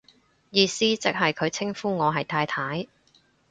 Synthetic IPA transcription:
jiː˧siː˥t͡sɪ˥k̚hɐ˨jkʰɵ˨˧ɥt͡sʰɪ˥ŋfuː˥ŋɔː˨˧ɦɐ˨jt̪ʰaː˧jt̪ʰaː˨˥j

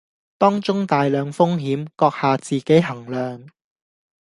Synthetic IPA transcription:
t̪ɔː˥ŋt͡ʃʊ˥ŋt̪aː˨jlœː˨˧ŋfʊ˥ŋɦiː˨˥mkɔː˧k̚haː˨t͡siː˨ke˨˥jɦɐ˨˩ŋlœː˨ŋ

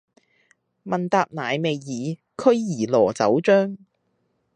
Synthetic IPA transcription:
mɐ˨nt̪aː˧p̚naː˨jme˨˧jːiː˨˧ | kʰɵ˥ɥːiː˨˩lɔː˨˩t͡sɐ˨˥wt͡ʃœː˥ŋ

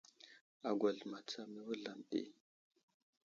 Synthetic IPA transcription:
a˨ɡʷa˨ɮma˨t͡sa˦mi˦wu˦ɮa˨mḛ˦

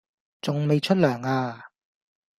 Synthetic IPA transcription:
t͡sʊ˨ŋme˨˧jt͡ʃʰɵ˥t̚lœː˨˩ŋaː˧

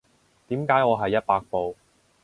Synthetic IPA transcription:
t̪iː˨˥mkaː˨˥jɔː˨˧ɦɐ˨jːɐ˥t̚paː˧k̚po˨˧w

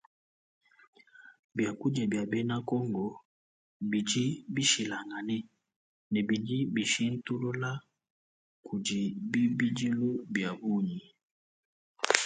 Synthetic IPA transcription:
bja˨ku˦d͡ʒɛ˨bja˨bɛ˦na˦kɔ˦ŋɡɔ˨ | bi˨d͡ʒi˦bi˦ʃi˨la˨ŋa˨nɛ˦ | nɛ˨bi˨d͡ʒi˦bi˨ʃi˦n̩˦tu˦lo˦la˦ | kʰu˨d͡ʒi˨bi˦bi˦d͡ʒi˦lu˦bja˨bu˦ɲi˨

